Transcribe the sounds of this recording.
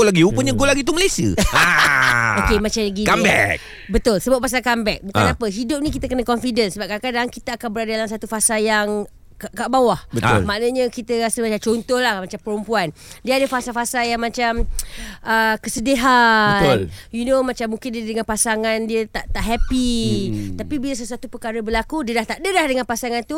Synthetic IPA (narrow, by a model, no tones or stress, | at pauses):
olaɡiupəɲãɡolaɡit̪uməlajsiə̰a | okemat͡ʃamaɡikambɛk̚ | bət̪ʊlsəbapːas̬alkambɛk̚bukanapəɦidʊp̚nĩkit̪əkənakɔnfidənsəbap̚kaakadaɦnkit̪aːkanbəɾadədalamsat̪ufasajaŋ | kakaʔbawahbəʊ̰lmaʔnəɲəkit̪əɾasəmat͡ʃat͡ʃɔnt̪ɔhlahmat͡ʃampəɾumpuandiəadəfasafasajaŋmat͡ʃamʔəkəsədeɦabənjunomat͡ʃamːuŋkɪndiədəŋanpasaŋandiət̪aʔt̪aʔɦɛpit̪apibiləsəsat̪upəkaɾəbəlakudiəlaht̪aʔdəlahdəŋãnpasaŋant̪u